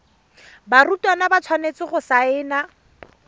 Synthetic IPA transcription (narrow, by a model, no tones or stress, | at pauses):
barutʼwanabat͡sʰwanet͡sɪχʊsaɪːna